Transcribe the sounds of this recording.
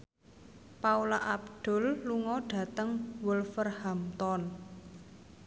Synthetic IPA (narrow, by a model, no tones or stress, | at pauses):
paulaʔab̚d̪̥ɔ̤lːuŋɔɖ̥ä̤t̪əŋwəlfərhamt̪ɔn